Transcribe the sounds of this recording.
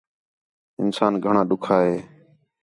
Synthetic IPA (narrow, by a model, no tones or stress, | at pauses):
ɪnsaːnɡʱəɳãːɗʊkʰaːɦeː